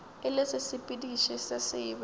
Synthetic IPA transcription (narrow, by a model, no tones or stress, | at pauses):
ɪlɪsɪsɪpʼidiʃɛsasɪːb